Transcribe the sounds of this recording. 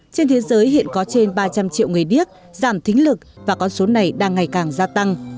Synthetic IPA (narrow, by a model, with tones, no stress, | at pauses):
t͡ɕe˧nt̪ʰe˨˦zəː˨˦jhḭ˧˨ənkɔ˨˦t͡ɕe˧nɓaː˧t͡ɕa˧mt͡ɕḭ˧əwŋ͡mŋɨ˨˩əjɗi˦˥ək̚ | zaː˧˩mt̪ʰï˨˦ŋ̟lɨ˨˩k̚vaː˨˩kɔ˨˦nso˨˦na˨˩jɗaː˧ŋːa˨˩jkaː˨˩ŋzaː˧t̪a˧ŋ